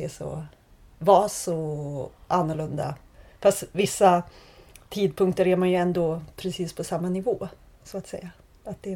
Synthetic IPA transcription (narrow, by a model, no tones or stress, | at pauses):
ɛʂɔ̰ | vasɔ | anːʊɭɵnd̪a̰ | fast̪vɪsːa | t̪ʰiːd̪̚pʰɵŋk̚t̪əɾæɾmanjɵɛnd̪opʰɾɛsiːspʰɔsamːanɪvoː | sɔat̪sɛ̰jːa | at̪̚d̪ɛ